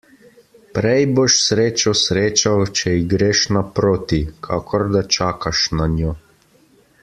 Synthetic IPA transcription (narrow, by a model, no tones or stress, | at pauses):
pɾɛjboʃsɾeːt͡ʃɔsɾeːt͡ʃawt͡ʃɛiɡɾeːʃnapɾoːt̪ikʰaːkʰɔɾd̪at͡ʃaːkaʃnanjoː